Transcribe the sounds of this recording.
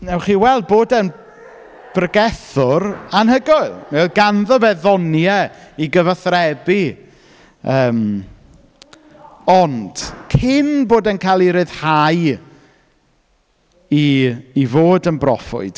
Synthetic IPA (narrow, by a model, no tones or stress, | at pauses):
nɛwχiːwɛlˠd̚boːdən | b̥rəɡɛθʊɾanhəɡʊɨlˠmaoɡanðɔvɛðɔnjɛiɡəvaθrɛbi | əːm | ɔnd̥kʰɪnboːdənkʰajlˠiɾɨð̥haj | iːvoːdənbrɔfʊ̰ɨd̥